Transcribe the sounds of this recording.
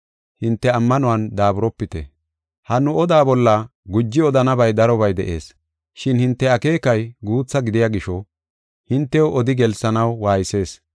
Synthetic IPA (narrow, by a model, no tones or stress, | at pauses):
hɪnt̪ːɛɐmːɐnʊwɐnd̪aːbʊɾɔpːɪt̪ɛ̰ | hɐnʊɔd̪aːbɔlːɐɡʊd͡ʒːɪɔd̪ɐnɐbɐjd̪ɐɾɔβɐjd̪ɛ̰ʔe̞̰ːs | ʃɪnhɪnt̪ːɛɐke̞ːkɐjɡuːt͡sːɐɡɪd̪ɪjaɡɪʃɔ | hɪnt̪ːɛwʔɔd̪ɪɡɛlsɐnɐwwaːjɪse̞ːs